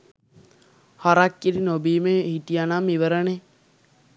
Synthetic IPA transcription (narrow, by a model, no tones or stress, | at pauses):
hɔɾakːiɾinobiːmehitijanamiʋəɾəne